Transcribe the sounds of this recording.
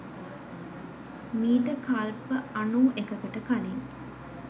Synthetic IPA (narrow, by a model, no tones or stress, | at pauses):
miːʈəkalpəanuːʔekəkəʈəkaniŋ